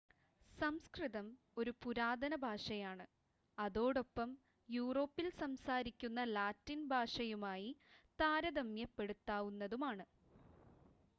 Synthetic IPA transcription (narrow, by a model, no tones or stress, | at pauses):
sɐmskriðɐm | o̞ɾupuɾaːd̪ɐnɐbʱaːʂɐjaːɳɨ | ɐðo̞ːɽo̞pːɐm | juːro̞ːpːilsɐmsaːɾikʲːunːɐlaːtːinbʱaːʂɐjumaːjit̪aːɾɐd̪ɐmjɐpːe̞ɽut̪ːaːʋunːɐðumaːɳɨ